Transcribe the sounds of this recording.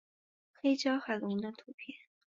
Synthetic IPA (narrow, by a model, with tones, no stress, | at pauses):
xe˥ɪt͡ɕjɑ˥ʊxa˨˩ɪlʊ˧ŋ˧˥nə˥˧˩t̪ʰu˧˥pʰjɛ˥˩n